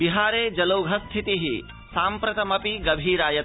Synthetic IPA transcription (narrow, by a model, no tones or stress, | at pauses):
biɦaːɾeːd͡ʒɐlɐwɡʱɐst̪ʰit̪iɦi | saːmpɾɐt̪ɐmɐpiɡɐbʱiːɾaːjɐ